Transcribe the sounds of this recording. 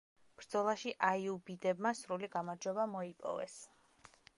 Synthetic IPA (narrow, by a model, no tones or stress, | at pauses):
b̥ɾd̪zɔlˠaʃiʔaiubid̪ɛbmasɾuliɡamaɾd͡ʒwɛbamɔipʼɔ̰vɛ̰s